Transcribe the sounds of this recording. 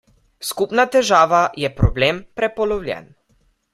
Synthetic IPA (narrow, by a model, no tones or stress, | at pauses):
skupnat̪ɛʒaːʋajɛpɾɔbleːmpɾɛpɔlɔwlʲjɛ̰n